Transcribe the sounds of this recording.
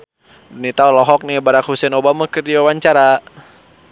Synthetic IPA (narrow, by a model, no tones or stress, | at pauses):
dunit̪aulɔɦɔk̚nibaɾak̚husɛnobamakərdiwawaɲt͡ʃaɾa